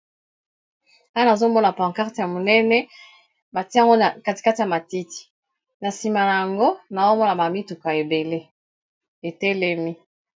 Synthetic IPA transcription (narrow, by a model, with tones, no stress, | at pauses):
a˦na˨zo˦mɔ˦na˨pã˨ŋka˦ʁti˨a˨mo˨nɛ˦nɛ˦ | ba˨ti˦a˦˨ŋɡo˦a˨ka˦ti̥˨ka˦ti˨ja˨ma˨ti˦ti̥˨ | na˨si˨ma˨na˨ja˨ŋɡo˦na˨zo˦mɔ˦na˨ba˨mi˦tu˨ka˨e˨be˨le˦ | e˨tɛ˦lɛ˦mi˦